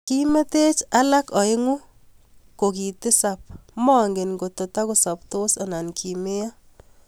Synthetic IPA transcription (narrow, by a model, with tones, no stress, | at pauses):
ki˦me˦te˦t͡ʃa˦la˦kɔ˨ɪ˦ŋu˦ | ko˨ki˨tɪ˦sa˨p̚mɔ˦ŋɡe˨nɡo˨to˨ta˦ko˨sa˨pto˦sa˨na˨nkʰi˨me˦ja˦